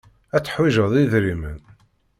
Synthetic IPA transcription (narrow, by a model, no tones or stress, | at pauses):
æt͡sːə̥ħwiʒəðˤiðɾimə̰n